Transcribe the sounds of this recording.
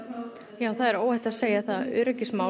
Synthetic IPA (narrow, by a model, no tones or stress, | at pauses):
jaːwθaðɛɾoːwɛht̪aðseːjaθaðʏ̰ːɾʏcɪsmaː